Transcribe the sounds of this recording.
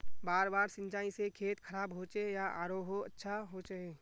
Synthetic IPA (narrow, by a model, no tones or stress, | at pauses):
baːɾbaːɾsɪ̃nt͡ʃaːĩsekʰeːt̪kʰəɾaːbɦot͡ʃejaʔa̰ːɾoːɦoətːʃʰaɦot͡ʃaɦeː